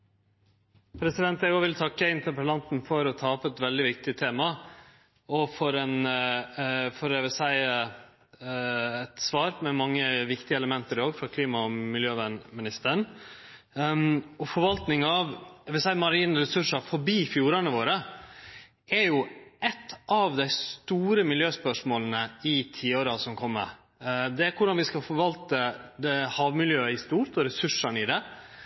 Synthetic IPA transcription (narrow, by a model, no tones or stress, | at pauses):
pʰɾɛsɪd̪ɛnt̪ɛɡɔʋɪlt̪ʰɑkːəɪnt̪əɾpəlɑnt̪nfɔɾɔt̪ʰɑːpːɛt̪ʋɛld̪ɪʋɪkt̪ɪt̪ʰeːmɑ | ɔfɔɾɛn | fɔɾɛʋɛsæɪ | ɛt̪sʋɑːɾmɛmɑŋːəʋɪkt̪ɪəɛləmɛnt̪əɾɪoːɡfɾɑkʰliːmɑɔmɪljøːʋænmɪnɪst̪əɳ | ɔfɔɾʋɑlt̪nɪŋɑʋɑʋɪlsæɪmɑɾiːnɾɛsʉʂɑfɔɾbiːfjuːɾɑnəʋoːɾə | ʔɛɾjʊʔɛt̪ːʔɑʋd̪æɪst̪uːɾəmɪljøːspœʂmoːlnəɪt̪ʰiːoːɾɑsɔmkʰɔmːə̰ɾ | d̪ɛæɾkʰʊɖɑnʋɪskɑfɔɾʋɑlt̪əd̪ɛhɑːʋmɪljøːəɪst̪uːɾt̪ɔɾɛsʉʂɑɳnɪd̪ɛ